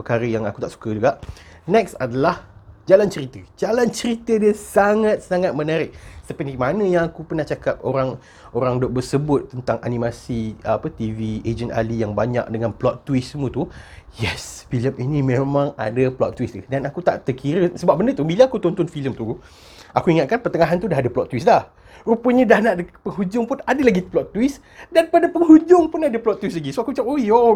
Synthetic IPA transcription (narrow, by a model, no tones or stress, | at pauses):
əkaɾəjaŋaku̥t̪aʔsu̥kad͡ʒuɡaʔ | nɛksadalahd͡ʒalant͡ʃəɾit̪əd͡ʒalant͡ʃəɾit̪ədiəsaŋat̪̚saŋat̪̚mənaɾɪk̚səpənimanə̃jaŋakupərnaht͡ʃakap̚oɾaŋ | oɾaŋdɔʔ̚bərsəbʊt̪ːənt̪aŋʔanĩmasiapət̪ivied͡ʒəna̰lijaŋbaɲa̰k̚dəŋanplɔt̪ːwɪssəmut̪ujɛsfiləminĩmẽmãŋa̰daplɔt̪ːwisudanakut̪a̰ʔt̪ərkʰiɾəsəbap̚bəndət̪ubilaakut̪ɔnt̪ʊnfiləmt̪u | akuiŋat̪̚kanpərt̪əŋaɦant̪udaɦadaplɔt̪ːwislah | rupəɲədahnaʔdəpəŋɦud͡ʒʊŋpʊnadalaɡiplɔt̪ːuwɪs | danpadapəŋɦud͡ʒʊŋpʊnadaplɔt̪ːwislaɡisoakut͡ʃap̚oio